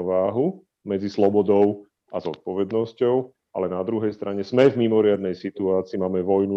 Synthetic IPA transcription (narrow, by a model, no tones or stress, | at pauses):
ɔʋaːɦu | mɛd͡zislɔbɔd̪ɔʊ | azɔ̰t̪̚pɔʋɛd̪nɔscɔʊ | ʔa̰lɛnad̪ɾuɦɛjst̪ɾʔaɲɛz̥mɛvmimɔɾɪad̪nɛjsit̪uaːt͡siːmaːmɛʋɔjnu